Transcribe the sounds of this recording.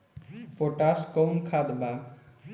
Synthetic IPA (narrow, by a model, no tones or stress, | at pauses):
poʈaskɔwnkʰad̪ba